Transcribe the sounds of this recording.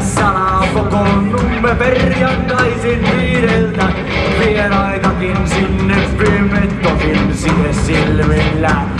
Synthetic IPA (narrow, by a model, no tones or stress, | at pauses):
sɑnɑkokonnuːeperrjɑŋk̪ɑisinʋiːɾelt̪æ | ʋieɾɑit̪ɑkinsinːefːimet̪tːosinsihessilʋelːæ